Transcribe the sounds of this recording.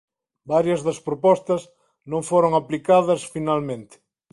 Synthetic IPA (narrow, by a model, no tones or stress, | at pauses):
baɾjɐzðɐspɾopɔst̪ɐz | nõŋfoɾoŋaplikaðɐsfinalmẽnt̪ɪ̥